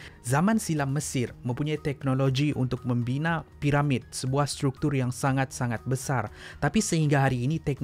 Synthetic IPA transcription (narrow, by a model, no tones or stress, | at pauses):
zamãnsilamːəsɪrmə̃mpuɲait̪ɛk̚noloɡiʔṵnt̪ʊk̚mə̃mbinãpiɾamɪd̪̚səbuahst̪ɾuk̚t̪ʊrjaŋsaŋat̪̚saŋat̪̚bəsart̪apisəhiŋɡaɦaɾiːnit̪ɛk̚n